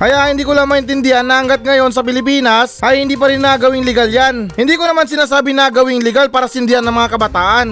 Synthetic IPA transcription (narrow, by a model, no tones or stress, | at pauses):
kɐjaʔhɪnd̪iːkolamɐʔɪnt̪ɪnd̪ɪhanːɐʔɐŋɡat̪̚ŋɐjo̞ns̬ɐpɪlɪpiːnɐsʔɐjhɪnd̪iːp̬ɐɾɪnːaɡɐwɪŋlɪɡaljanhɪnd̪iːkonɐmansɪnaːsaːbɪnaːɡɐwɪŋlɪɡalpaːɾɐsɪnd̪ɪhanɐŋmɐŋakɐbɐt̪aːʔɐn